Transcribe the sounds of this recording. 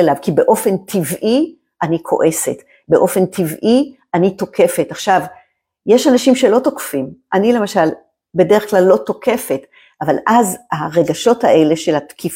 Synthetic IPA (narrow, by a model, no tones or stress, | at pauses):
elavkibe̞ʔo̞fe̞ntʰivʔi | ʔanikʰo̞̰ʔe̞se̞t | be̞ʔo̞fe̞ntʰivʔiʔanito̞ke̞fetaχʃav | jeʃanaʃimʃe̞lo̞tokfimʔanile̞maʃal | be̞deeχklalːo̞to̞ke̞fe̞t | avalʔazaʁeɡaʃo̞taʔe̞le̞ʃelatkʰif